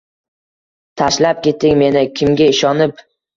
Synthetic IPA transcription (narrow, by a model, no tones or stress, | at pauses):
t̪ʰaʃlap̚kʲʰe̞t̪ʰːɪŋʲme̞nɪkʲʰɪmɡʲaɪʃɒnɪp